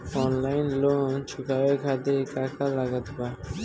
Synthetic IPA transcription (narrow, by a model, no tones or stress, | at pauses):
ɔnlajnlont͡ɕʰukabekʰat̪ekakʰalaɡat̪ba